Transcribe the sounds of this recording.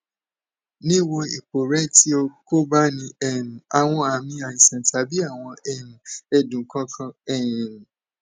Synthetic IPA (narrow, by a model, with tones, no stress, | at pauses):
nĩ˦wo˧i˨k͡po˨ɾɛ˦ti˨˦o˧ko˦ba˦nĩ˧ɛ˨nũ˨a˨w̃ɔ̃˧a˨mĩ˧a˨ĩ˨sã˨ta˨˦bi˦a˦˨w̃ɔ̃˧ɛ˦˨nũ˨ɛ˧dũ˨˦kã˦kʰã˧ɛ˦˨nũ˨nũ˨